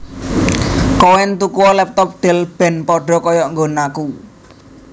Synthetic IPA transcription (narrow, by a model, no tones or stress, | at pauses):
kowɛnt̪ukuwɔlɛp̚t̪ɔp̚ɖ̪̥ɛ̤lb̥ɛ̤npɔɖ̥ɔ̤kɔjɔŋɡonaku